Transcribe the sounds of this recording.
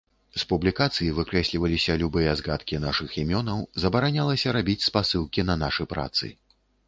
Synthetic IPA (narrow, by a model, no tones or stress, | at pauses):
spublʲikat̪sɨjivɨkɾɛsʲlʲivɐlʲisʲɐlʲubɨjɐzɣat̪kʲinaʂɨximʲɔnɐwzɐbɐɾanʲalˠɐsʲɐɾabʲit͡sʲspasɨlˠkʲinɐnaʂɨpɾa̰t̪sɨ̰